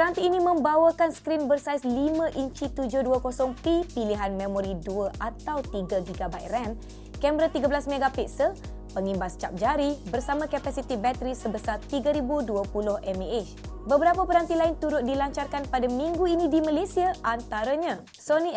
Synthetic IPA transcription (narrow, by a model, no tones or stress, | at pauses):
pəɾant̪iːnimə̃mbawəkansə̥kɾinbərsajslimãʔiɲt͡ʃit̪ud͡ʒʊhduəkosɔŋpipiliɦanmẽmɔ̃ɾiduəʔat̪awt̪iɡaɡiɡabatrɛn | kɛmɾat̪iɡəbəlasmẽɡapitsə | pəŋimbast͡ʃap̚d͡ʒaɾibərsamãkapasit̪ibɛt̪əɾisəbəsart̪iɡaɾibuduəpulʊhɛmeet͡ʃbəbəɾapapəɾant̪ilaɪnt̪uɾʊt̪̚dilaɲt͡ʃarkanpadamĩŋɡuinĩdimãlesiaʔant̪aɾaɲã | soni